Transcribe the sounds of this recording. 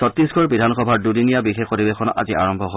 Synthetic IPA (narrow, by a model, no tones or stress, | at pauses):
sɔtːiskʰɔɹbidʱanxɔbʱaɹdudinijabixexpoɹibexʰɔnɔʔa̰zia̰ɹɔmbʱɔɦo